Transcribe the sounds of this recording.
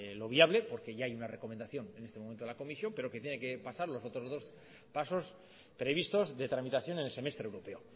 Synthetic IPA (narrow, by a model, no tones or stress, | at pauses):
lo̞β̞iaβle̞po̞ɾke̞ʝaajunare̞komend̪aθjo̞ne̞ne̞st̪emoment̪lako̞misjo̞mpe̞ɾo̞ke̞t̪jeneke̞pasaɾlo̞so̞t̪ɾo̞zðo̞s | paso̞s | pɾe̞βist̪o̞zðe̞t̪ɾamit̪aθjo̞nenelse̞me̞st̪ɾewɾo̞pe̞o